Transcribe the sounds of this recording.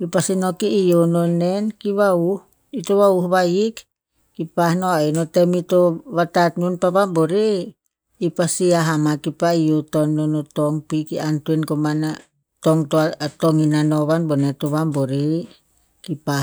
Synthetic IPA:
ipasinokiːjonɔnɛnkiβauh | it̪uβauhβaik | kipahnoainɔt̪ɛmit̪ɔβat̪at̪̚nunpaβabɔɾiː | pasiaɦamakipaijot̪ɔnːɔnɔt̪ɔŋpikiant̪uɛnkomana | t̪ɔŋt̪ɔat̪ɔŋinanoβanbɔnɛt̪uβambɔɾi | kipa

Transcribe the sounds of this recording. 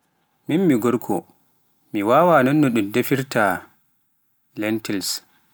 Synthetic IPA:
minmiɡɔɾkʰɔ̰ | miwaːwanɔnːɔɗumdefiɾta | lɛntɛls

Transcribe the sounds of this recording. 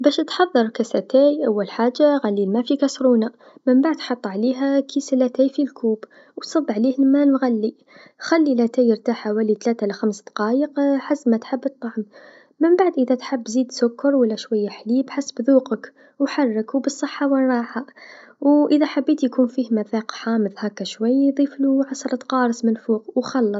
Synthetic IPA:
bæʃt̪ħɑðˤːɑɾˤkæsæt̪æjʔawːælħaːʒːaɣælːilmæfikæsɾuːna | məmbaʕd̪ħɑt̪ˤːʕliɦækʰisælæt̪æːjfilkʰuːb | wsˤɑb̪ːʕliːhəlmænɣalːi | xælːilæt̪æjəɾt̪aħawæːlit̪læt̪alæxamsd̪ɑqɑːjəqħasːmæt̪ħəbːət̪ˤːɑʕm | məmbaʕd̪ʔəðæt̪ħabːziːd̪sʊkːɑɾˤwəlːæʃwajːaħlibħasːbðuːqək | wħɑrˤːəkwbəsˤːəħːawənɾˤɑːħawʔəðæħabːiːt̪jkuːnfiːhmæθæqħaːməðhækːæʃwæjːd̪ˤiːfluʕɑsˤɑɾˤɑt̪qɑːɾˤɑsˤmɪnfuːqwxɑlːɑˤ

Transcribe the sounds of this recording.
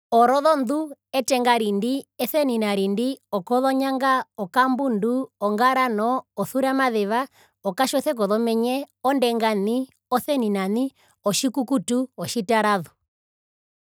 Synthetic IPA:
ɔɾɔðɔnduɛtɛŋɡaɾindiɛθɛninaɾindiɔkɔðɔɲaŋɡaɔkambunduɔŋɡaɾanɔɔθuɾamaðɛʋa | ɔkaʃɔθɛk̬ɔðɔmɛɲɛɔndɛŋɡani | ɔθɛninani | ɔʃikukutuɔʃitaɾaðu

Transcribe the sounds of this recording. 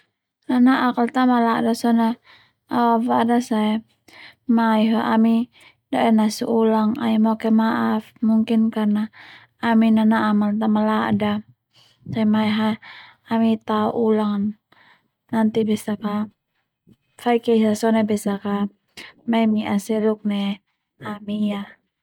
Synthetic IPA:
nanaʔakalt̪amalaʔdasɔna | awafadasaɛ | maiɦaʔami | dɔɛnasṵʔulaŋa̰imɔkɛmaʔafmuŋkinkarnaː | minanaʔamalt̪amalaʔda | saɛmaɛɦa | amit̪auʔulaŋ | nant̪ibɛsaka | faikɛisasɔnɛbɛsaka | mɛmiasɛluk̚nɛ | amija

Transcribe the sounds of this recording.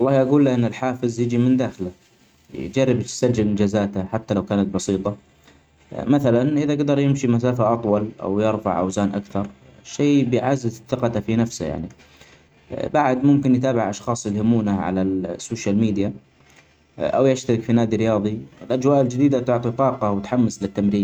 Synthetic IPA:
wɑlˤːɑːhʔaɡuːlːaʔɪnːɪlħaːfɪzˤjɪd͡ʒimɪnd̪aːxɪla | j̰d͡ʒarːɪbt̪sad͡ʒːɪlɪnd͡ʒaːzaːt̪aħat̪ːalawkaːnat̪̚bɑsˤiːt̪ˤɑ | maθalanʔɪðaɡd̪ɑɾˤjɪmʃimasaːfaʔɑt̪ˤwɑlʔa̰wjɪɾˤfa̰ʕʔa̰wzaːnʔakθɑɾˤʃeːbɪjʕaːzɪzθɪqɑt̪afinafsaja̰ʕnḭ | baʕd̪mʊmkɪnjt̪aːbɪʕʔɑʃxɑːsˤɪlhɪmuːnaʕa̰lasːoːʃjalmiːd̪ja | ʔa̰wjaʃt̪aɾɪkfinaːd̪iɾɪjɑːðˤiɪlʔad͡ʒwaːʔɪld͡ʒɪd̪iːd̪at̪ʊʕt̪ˤit̪ˤɑːqɑwt̪ħamːaslɪt̪ːamɾiːn

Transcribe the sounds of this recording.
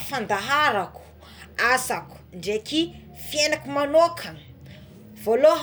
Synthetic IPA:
fand̪aɦaɾaku̥ | asaku̥ɳɖ͡ʐeki | fijenakumanokʰə | v̥oloɦ

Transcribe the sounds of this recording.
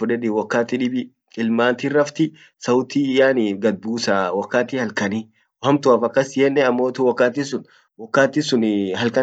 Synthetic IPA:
fʊᶑɛᶑɪwɐkːaːt̪ɪᶑɪbɪ | ɪlmaːnt̪irːɐft̪ɪ | sɐwt̪iːjaːnɡɐd̪̚buːsawɐkːaːt̪ɪhɐlkɐni | whɐmt̪ʊaːfɐkːɐsjɛnːɛɐmːoːt̪uwɐkːaːt̪̬isʊn | wɔkːaːt̪ɪsʊnhɐlkɐ

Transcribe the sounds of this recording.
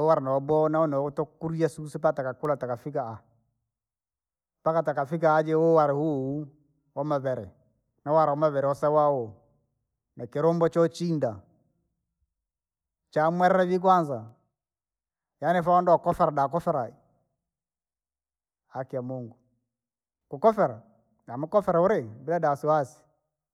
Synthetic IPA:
ɔwaɾɛnɛɔbɔnaɔnɛɔtɔkuɾiasusipatakakulatakafikaa | pakatakafik̬aːd͡ʒɛowaɾɛhuu | wɔmaβɛɾɛ̰ | nawaɾawɔmaβɛɾɛwɔsɛwaɔ | nakeɾɔmbɔt͡ʃɔt͡ʃinda | t͡ʃamwɛɾɛɾɛβik̬wanza | janɛfaɔndɔɔkɔfɛɾadakɔfɛɾai | hakiamoŋɡu | kukɔfɛɾa | amukɔfɛɾɛuɾembiɾadasuwasi̥

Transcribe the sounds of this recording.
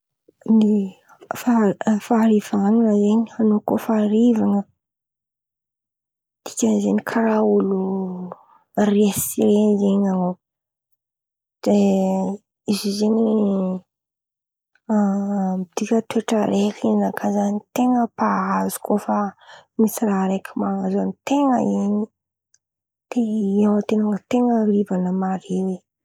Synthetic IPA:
ni | fafaɾivanunəzeɲianokofaɾivaŋə | t̪i̥kʲəzeɲikʰaɾaulu | riesiɾenzeɲano | d̥e | izizeni | miid̪̥ikʲət̪weʈ͡ʂəɾekiinakʰazanit̪eŋəpaazu̥kofamisiraɾekʲʰimaŋazanit̪eŋə̰iɲi | d̪̥eiawət̪enaŋət̪eŋərivanəmaɾewe

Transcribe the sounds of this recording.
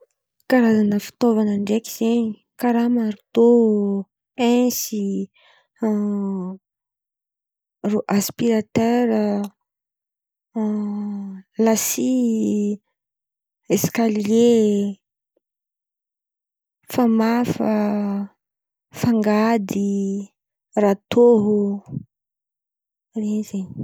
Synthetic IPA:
kaɾazanəfi̥t̪ovanaɳɖ͡ʐekiz̥eɲi | kaɾamaɾit̪o | esi | roʔaspiɾat̪eɾə | lasi | eskalie | famafə | faŋɡad̪i | rat̪oɦu | rezeɲ

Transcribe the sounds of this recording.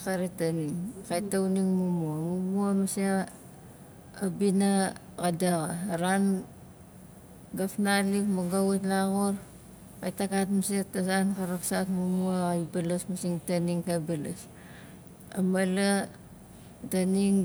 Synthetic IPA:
kaɾetaniŋkajtauniŋmumuamumuamase | abina | kadaɣaɾan | ɡafnalikmaɡawutlaɣoɾ | kajtakatmasetasankaɾaksatmumuaajbalasmasiŋtaniŋkajbalas | a̰mala | taniŋ

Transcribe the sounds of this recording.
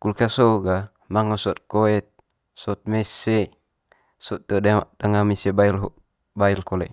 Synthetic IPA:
kulkasoɡa | maŋasoɔt̪̚koɛt̪̚ | sot̪̚mese | sot̪̚dodadaŋamisebailɦuʔ | bailkolḛ

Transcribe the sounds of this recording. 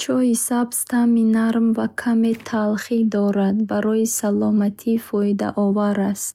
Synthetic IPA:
t͡ʃʰɔisabst̪ʰaminaɾmvakʰamet̪ʰalχid̪ɔɾad̪baɾɔjisalɔmat̪ʰifɔid̪a̰ʔɔvaɾast̪

